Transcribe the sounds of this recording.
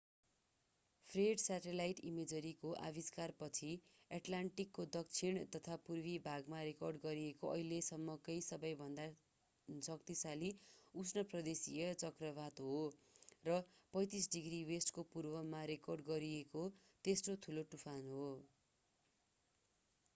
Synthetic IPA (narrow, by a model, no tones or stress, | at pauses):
pʰreɖsaʈelajʈimed͡zʌɾikoʔa̰βiskarpʌt͡sʰi | aʈlaɳʈikːod̪ʌk̚t͡sʰiɳt̪ʌt̪ʰapurbibʱaɡmaɾekʌrɖɡʌɾiekoʔʌ̰ɦilesʌmːʌkʌjsʌbʌjbʱʌnd̪a | sʌk̚t̪isaliusnʌprʌd̪esijʌt͡sʌkrʌβat̪ɦorʌpʌ̃j̃t̪is̬ɖiɡriwesʈkopurbʌmaɾekʌrɖɡʌɾieko | t̪esʈot̪ʰuloʈupʰanɦo